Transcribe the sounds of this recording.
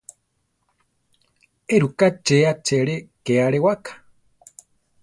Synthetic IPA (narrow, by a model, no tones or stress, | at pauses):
eɾukat͡ʃeat͡ʃeɺekeaɺewakʰḁ